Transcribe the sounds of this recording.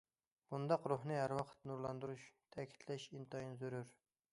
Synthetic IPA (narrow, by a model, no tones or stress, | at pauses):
b̥und̪ɑqɾuhnɨɦæɾwɑqʰə̥t̪nuɾlˠɑnd̪uɾuʃt̪ʰɛkʲʰi̥t̪ʰlɛʃint̪ɑjinzøɾyɾ